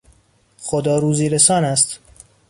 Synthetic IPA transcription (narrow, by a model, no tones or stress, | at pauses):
xod̪ɒːɾuːziːɾesɒːnæst̪